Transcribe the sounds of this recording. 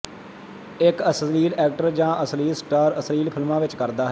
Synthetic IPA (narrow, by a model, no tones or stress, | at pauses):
ɪkəsliːlɛːk̚ʈəɾd͡ʒãːʔəsliːlsʈaːɾəsliːlpʰɪlmãːʋɪt͡ʃkəɾd̪aːɦɛ